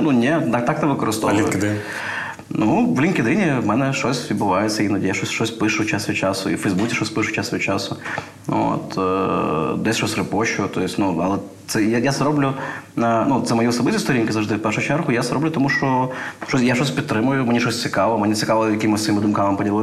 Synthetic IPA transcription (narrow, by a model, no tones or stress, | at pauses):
nunʲet̪ak̚t̪ak̚t̪ɐʋɨkɔɾɨst̪ɔʋlinkʲd̪ɪ | nuʋlʲinkʲɪd̪inʲɪmɛnɛʂɔsʲibʊʋajɪt̪sʲɐinɐd̪ʲejaʃosʲʃɔsʲpɪʂʊt͡ʃasʲɪt͡ʃasʊḭfəjzbut͡sʲɪ̥ʃɔsʲpɨʂʊ̥t͡ʃast͡ʃasʊ | o̰t̪ | d̪ɛsʲʃɔsʲrɨpoɕʊt̪ojɪsʲtʲnuɐ̰lˠɛt̪sɛjajasɾoblʲʊanut̪zɐmɐjusɐbɪtʲʊst̪ɔɾʲinʲkɪzɐvʐd̪ɪfpɛrʂʊt͡ʃɛrɣʊjasɐɾoblʲʊt̪ɐmuʂɔʃɔsʲjaʃɔsʲpʲit̪̚t̪ːɾɪmʊjʊmɪnʲiʃɔsʲtsʲɪkaʋlˠɐmɪnʲit̪sʲɪkalˠjɐkʲimɨsʋɐimɨd̪ʊmkamɐmpɐdʲɪɾʲɪ